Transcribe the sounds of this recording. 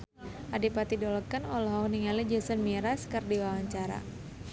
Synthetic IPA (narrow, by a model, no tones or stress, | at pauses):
ʔadipat̪idɔlɔkənɔlɔɦɔk̚niŋalid͡ʒəsənmiɾaskərdiwawaɲt͡ʃaɾa̰